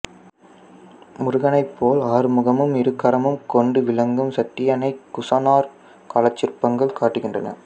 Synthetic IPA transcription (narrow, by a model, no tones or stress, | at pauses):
mʊɾʊɣɐnɐɪpːoːlaːɾmɯɣɐmɯmɪɾɯkːɐɾɐmɯmkɔɳɖɯʋɪlɐŋɡɯmsɐʈːɪjɐnɐɪkːʊsɐːnaːɾ | kɐlɐt͡ʃːɪrpɐŋɡɐɭkaːʈːɯɣɪndrɐ̰nɐ̰